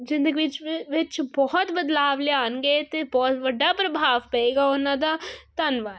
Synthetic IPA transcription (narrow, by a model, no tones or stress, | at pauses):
d͡ʒɪ̃nd̪əɡʋɪt͡ʃʋɪt͡ʃbɔɦɔt̪bɐd̪laːʋleaːnɡet̪ebɔːt̪ʋɐɖːapɾɐbʱaːʋpɐeːɡaonãd̪at̪ɐnʋaː